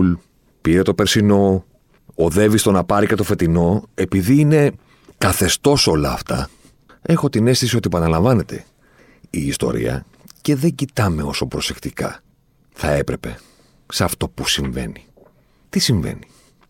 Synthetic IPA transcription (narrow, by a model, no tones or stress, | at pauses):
l | piɾe̞t̪o̞peɾsino̞ | oðe̞vist̪o̞nɐpɐɾicet̪o̞fe̞t̪ino̞e̞piðiine̞ | kɐθe̞st̪o̞so̞lɐːft̪ɐ̰ | e̞xo̞t̪ine̞st̪isio̞t̪iepɐnɐlɐɱvɐne̞t̪e̞̰ | iːst̪o̞̰ɾḭɐ̰ | ce̞ðe̞ɲɟit̪ɐme̞o̞so̞pɾo̞se̞kt̪ikɐ̰ | θɐe̞pɾe̞pe̞̰ | sɐft̪o̞pusiɱve̞̰ni | t̪isiɱve̞̰ni